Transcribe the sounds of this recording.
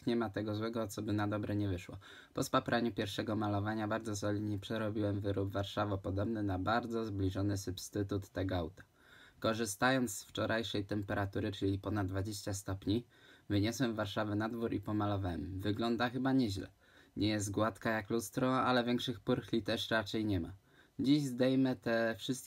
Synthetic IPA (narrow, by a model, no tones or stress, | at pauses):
ɲɛmat̪ɛɡɔzwɛɡɔt̪sɔbɘnad̪ɔbɾɛɲɛvɘʂwɔ̰ | pɔspapɾʔaɲupʲjɛɾfʂɛɡɔmalɔvaɲabaɾd̪zɔsɔlʲiɲipʂɛɾɔbʲiwɛmvɘɾʔubvaɾʂavɔpɔd̪ɔbnɘnabaɾd̪zɔzblʲiʐɔnɘsupst̪ɘt̪ut̪ːɛɡɔawt̪ḁ | kɔʐɘst̪ajɔnt̪sft͡ʂɔɾʔajʂɛjt̪ɛmpɛɾʔat̪uɾɘt͡ʂɘlʲipɔnad̪d̪vad͡ʑeɕt͡ɕast̪ɔpɲi | vɘɲɔswɛmvːaɾʂavɘnad̪vuɾʔipɔmalɔvawɛmvɘɡlɔnd̪axɘbaɲɛʑlɛ̰ | ɲɛjɛst̪ɡwat̪kajaklust̪ɾɔalɛvʲjɛŋkʂɘxpuɾxlʲit̪ɛʂɾat͡ʂɛjɲɛma̰ | d͡ʑiʑzd̪ɛjmɘt̪ɛfʂɘst̪̚